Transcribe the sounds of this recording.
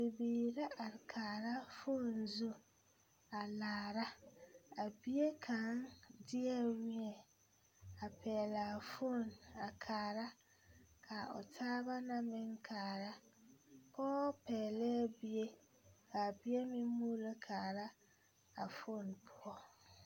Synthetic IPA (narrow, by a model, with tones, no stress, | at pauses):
be˨biː˨ɾa˦ʔa˨ɾkʰaː˨ɾa˦fʊ˦˨n˨zo˦ | a˨laː˨ɾa˦a˨bi˦e˦kʰã˨˦ŋdɪ˦ɛ˦wi˦ɛ˨ | a˨pʰɛː˨la˨fʊ˦˨na˨kʰaː˨ɾa˦ | kʰa˨ɔ̰˨tʰaː˦ba˦nã˦mɪ̃˦ŋ˦kʰaː˨ɾa˦ | pʰɔː˦pʰɛː˨lɛ˦bi˦e˦ | kʰa˨bi˦e˦mɪ̃˦mũ˦la˦kʰaː˨ɾa˦ | a˨fʊ˦˨npʰʊ˦ɔ˦